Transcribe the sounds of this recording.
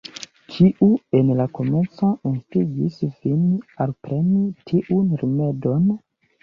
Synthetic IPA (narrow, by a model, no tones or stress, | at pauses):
kʰiʔuenlako̞met͡sauntiɡisvinalpɾe̞nitʰiʔunɾimedo̞n